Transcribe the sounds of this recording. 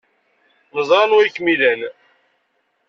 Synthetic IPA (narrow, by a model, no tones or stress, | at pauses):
məzˤɾˤɑnwæjkmilæn